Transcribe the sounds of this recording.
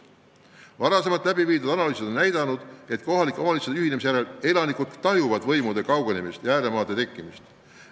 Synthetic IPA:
vɑɾɑse̞mɑt̪læbiviːd̪ud̪̥ɑnɑlyːsed̪o̞nːæjd̪ɑnud̪̥e̞t̪ˑko̞ɦɑlikːˑo̞mɑliseyhine̞mis̬ejæɾele̞lɑnikud̪̥t̪ɑɦjuvɑd̪̥vɤjmud̪̥e̞kɑwɡ̥e̞nemist̪jæːɾe̞mɑːd̪e̞t̪e̞kˑːimist̪

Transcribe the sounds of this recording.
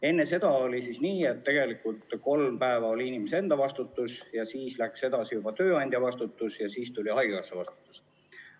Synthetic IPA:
e̞nːese̞d̪̥ɑo̞lʲisisniːe̞t̪ːe̞ɡ̥e̞likˑult̪ko̞lmpæevɑo̞lʲiinimesee̞nd̪̥ɑvɑst̪ut̪ːˑusjɑsiːslækse̞d̪ɑsijub̥ɑt̪ø̞ːɑnʲd̪̥ʲjɑvɑst̪ut̪ːˑusjɑsiːst̪ulʲiɑjɡkɑsːevɑst̪u̥t̪ːˑu̥s

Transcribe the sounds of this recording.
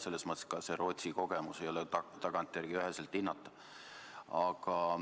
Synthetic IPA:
se̞lːesmɤt̪ːˑe̥skɑse̞ɾo̞t̪ʲsiko̞ɡe̞muse̞jo̞lɛt̪ɑɡ̥ɑnt̪ˑjærɡ̥iyɦeselt̪ːˑinːɑt̪ːˑɑ | ɑɡ̥ɑ

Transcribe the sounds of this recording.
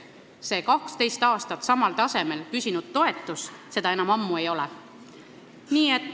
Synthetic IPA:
se̞ːkɑkst̪e̞jst̪ɑːst̪ɑt̪ːsɑmɑlt̪ɑse̞me̞lkysʲinud̪̥̚t̪o̞e̞t̪ːˑusse̞d̪̥ɑe̞nɑmɑmːue̞jo̞lɛ̰ | niːe̞t̪ːˑ

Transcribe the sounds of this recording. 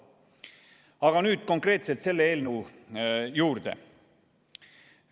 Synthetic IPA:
ɑɡ̥ɑnyːd̪̥̚ko̞ŋkreːt̪selt̪se̞lːeeːlnu | juːɾd̪̥ḛ

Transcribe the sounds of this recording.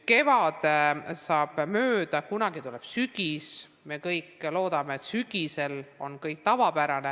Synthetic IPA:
ke̞vɑd̪̥sɑːb̥møːd̪̥ɑkunɑɡit̪uleb̥syɡ̥is | me̞kɤjkːˑlo̞ːd̪ɑme̞et̪syɡ̥ise̞lo̞̰nkɤjk̚t̪ɑvɑbæɾɑne̞

